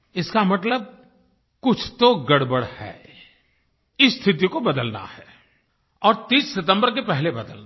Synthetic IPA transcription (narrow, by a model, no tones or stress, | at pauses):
ɪskamɐt̪ləb̚ | kʊt͡ʃʰt̪oɡɐɽbəɽhɛ̰ː | ɪst̪ʰɪt̪̬ikobɐd̪əlna̰hɛː | ɔːɾt̪iːsːɪt̪ə̃mbəɾkepɛɦlebɐd̪əlna